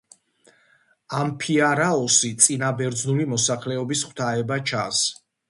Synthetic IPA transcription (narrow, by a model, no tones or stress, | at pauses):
ampʰiaɾaɔsit̪sʼinabɛɾd̪znulimɔsaχlɛɔbisχʰwt̪ʰaɛbat͡ʃʰa̰ns